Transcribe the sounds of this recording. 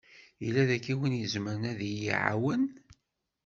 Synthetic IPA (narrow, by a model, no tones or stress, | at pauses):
ilːæðækːiwinjəzməɾənæðijiʕa̰wən